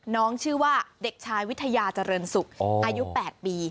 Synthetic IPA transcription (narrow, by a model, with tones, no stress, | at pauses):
nɔː˦˥ŋt͡ɕʰɯː˥˩waː˥˩de˨˩k̚t͡ɕʰaː˧jwi˦˥t̪ʰːa˧jaː˧t͡ɕa˧ɾɤː˧nsu˨˩k̚ʔaː˧ju˦˥pɛː˨˩t̪̚piː˧